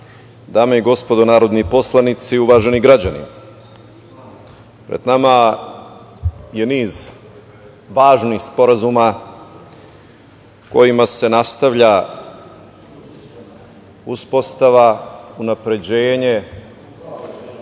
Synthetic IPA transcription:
d̪aːmeiɡo̞spo̞d̪onaːɾo̞d̪nipo̞slˠanit̪siuʋaːʒe̞niɡɾad͡ʑanḭ | pɾed̪nama | je̞niːz | ʋaːʒnixspo̞ɾazuma | ko̞̰jimase̞nast̪aʋʎa | uspo̞st̪aʋaunapɾe̞d͡ʑeːɲe̞

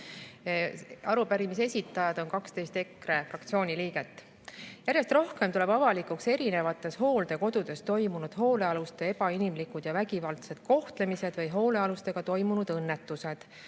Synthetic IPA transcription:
ɑɾupæɾimise̞sʲit̪ːˑɑjɑd̪̥o̞nkɑkst̪e̞jst̪e̞kɾe̞frɑkt̪sioːnʲiliːɡe̞t̪ːˑ | jæɾjest̪ro̞hke̞mt̪ule̞b̥ɑvɑlikˑukse̞ɾine̞vɑt̪ːˑe̞sho̞ːld̪e̞ko̞d̪̥ud̪̥e̞st̪o̞jmunud̪̥ɦo̞ːle̞ɑlust̪e̞e̞b̥ɑinimlikud̪̥jɑvæɡivɑlt̪se̞d̪̥ko̞ht̪le̞mise̞d̪̥vɤjɦo̞ːle̞ɑlust̪e̞ɡ̥ɑt̪o̞jmunud̪̥ɤnːe̞t̪ːˑuse̞d̪̥

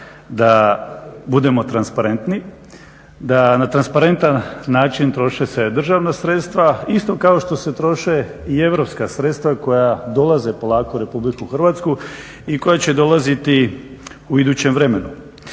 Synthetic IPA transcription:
d̪a | bud̪e̞mo̞t̪ɾanspaɾe̞nt̪ni | d̪anat̪ɾanspaɾe̞nt̪anːaːt͡ʃint̪ɾo̞ʃese̞d̪r̩ʒaʋnasɾe̞t̪st̪ʋaist̪o̞kao̞ʃt̪o̞se̞t̪ɾo̞ʃe̞ | ie̞ʋɾo̞pskasɾe̞t̪st̪ʋako̞jad̪o̞lˠaze̞po̞lˠaːkoɾe̞publikuxr̩ʋat̪sku | iko̞jat͡ɕe̞d̪o̞lˠazit̪i | uid̪uːt͡ɕemʋɾe̞me̞nu

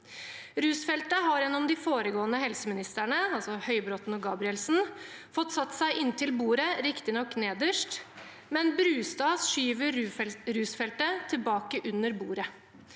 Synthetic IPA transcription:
ɾʉːsfɛlt̪əɦɑɾɛnɔmd̪ɪfoːɾəɡoːənəhɛlsəmɪnɪst̪æɳəɑlsɔhœʏbɾɔt̪nɔɡɑːbɾɪɛlsn̩ | fɔt̪ːsɑt̪ːsæɪʔɪnt̪ʰɪlbuːɾəɾɪkt̪ɪnɔkːneːd̪əʂt | mɛnbɾʉːst̪ɑːsʂyːʋəɾɾʉːsfɛlt̪ət̪ʰɪlbɑːkəʔʉnːəɾbuːɾə

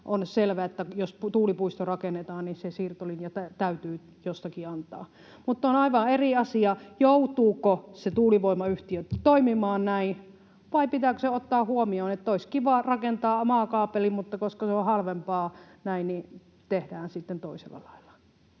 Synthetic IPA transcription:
ʔonselʋæet̪ːæjosut̪uːlipuist̪orɑkenet̪ɑːnnisesiːrt̪olinjɑt̪æt̪æyt̪yː | jost̪ɑkiɑnt̪ɑ̰ː | mut̪ːonɑiʋɑeriɑsiɑjout̪uːkoset̪uːliʋoimɑyht̪iøt̪oimimɑːnnæĩ | ʋɑipit̪æːˑkøseot̪ːɑːhuomioːnet̪ːæoiskiʋɑˑrɑkent̪ɑːomɑːˑkɑːpelimut̪ːɑkoskɑseohɑlʋempɑː | næinni | t̪ehdæːnsit̪ːent̪oisḛlːɑ̰lɑilːɑ̥

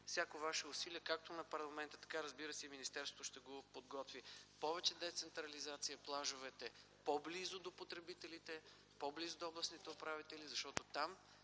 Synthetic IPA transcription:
fsʲjakovaʃɛʊsiliɛkak̚t̪onɐpɐɾlˠɐmɛnt̪ə̥t̪ɐ̥kaɾɐzbiɾəsɛiminist̪ɛɾsvo̥t̪oʊʃt̪ɛɡopod̪ɡɔt̪vipɔvɛt͡ʃɛd̪ɛt̪sɛnt̪ɾɐlizat̪sijəplˠaʒʊvɛt̪ɛ | poblizʊd̪opot̪ɾɛbit̪ɛlit̪ɛ | poblizʊd̪oɔblˠɐsnit̪ɛopɾavit̪ɛlizɐʃt̪ɔt̪ot̪am

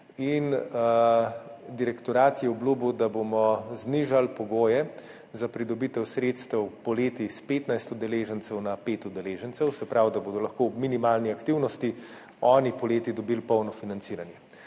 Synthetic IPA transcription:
in | d̪iɾɛkt̪ɔɾaːt̪jɛɔbluːbud̪abomɔzniʒalpɔɡoːjɛ | zapɾid̪ɔbit̪ɛwsɾeːt̪st̪ɛwpɔleːt̪ispeːt̪najst̪ud̪ɛleːʒənt̪sɛwnapeːt̪ud̪ɛleːʒənt̪sɛwsɛpɾawd̪aboːd̪ɔlɐxkoːbminimaːlniakt̪iwnɔst̪i | ɔːnipɔleːt̪id̪ɔbilpɔwnɔfinantsiːɾanjɛ

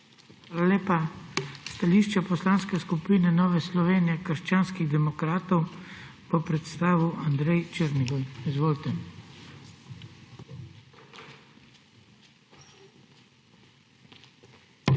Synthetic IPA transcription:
xʋaːlaleːpast̪aliːʃt͡ʃapɔslaːnskɛskupiːnɛnɔːʋɛslɔʋeːnijɛkəɾʃt͡ʃaːnskiɣd̪ɛmɔkɾaːt̪ɔw | pɔpɾɛt̪st̪aːʋuʔand̪ɾɛjt͡ʃeɾniɡɔjizʋoːlt̪ɛ

